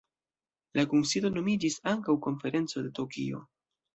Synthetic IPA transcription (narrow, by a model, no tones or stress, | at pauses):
lakunsido̞no̞mid͡ʒisaŋkawko̞nfe̞ɾe̞nt͡so̞de̞to̞kḭo̞̰